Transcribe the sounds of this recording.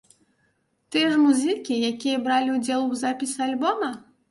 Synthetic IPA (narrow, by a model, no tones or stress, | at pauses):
t̪ɨjɛʐmuzʲɨkʲijakʲijɐbɾalʲiud͡zʲɛlˠuzapʲisʲalʲbɔmɐ